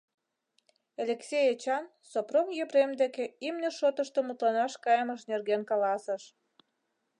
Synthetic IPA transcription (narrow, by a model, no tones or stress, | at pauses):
elʲeksʲejet͡ɕɑn | soprokjyβɾemd̪ekeimnʲeʃot̪əʃt̪omut̪lɑnɑʃkɑjəməʃnerɣenkɑlɑsə̆ʃ